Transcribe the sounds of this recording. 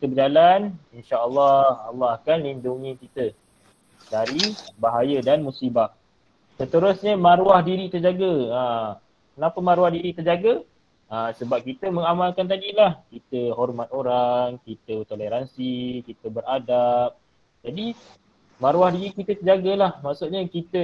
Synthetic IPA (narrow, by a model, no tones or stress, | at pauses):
kit̪əbərd͡ʒalaninʃaəlːɑhalːɔɦakanlinduŋikit̪ə | dalibaɦajədanmusibah | sət̪əɾʊsɲəmaɾuahdiɾit̪ərd͡ʒaɡəə | kənapəmaɾuahdiɾit̪ərd͡ʒaɡə | əsəbap̚kit̪əməŋamalkant̪adilahkit̪əɦɔrmat̪oɾaŋkit̪ət̪oleɾansikit̪əbəradap̚ | d͡ʒadi | maɾuahdiɾikit̪ət̪ərd͡ʒaɡəlahmaʔsuʔ̚ɲəkit̪ə